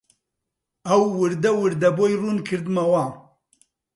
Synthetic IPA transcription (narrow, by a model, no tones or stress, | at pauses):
ɐwːɨɾd̪ɐwɨɾd̪ɐboːjruːnkʰɨɾd̪mɐwaː